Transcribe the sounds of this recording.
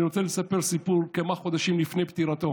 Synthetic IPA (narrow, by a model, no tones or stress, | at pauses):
iɾot͡selesape̞ʁsipuɾkamaχo̞d̪aʃimlifnejpt̪iɾat̪o